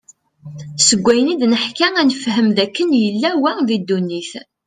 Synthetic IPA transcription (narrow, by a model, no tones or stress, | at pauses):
səɡʷːæjənid̪nəħkæænəfhəmðækːənjəlːæwæðid̪ːunːiθ